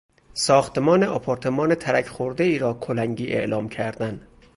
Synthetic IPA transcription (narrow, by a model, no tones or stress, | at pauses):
sɒːxt̪emɒːneʔɒpʰoɾt̪ʰe̞mɒːnet̪ʰæɾæcʰχoɾd̪e̞iːɾɒːkʰolæŋɟiːʔḛʔlɒːmcʰæɾd̪æn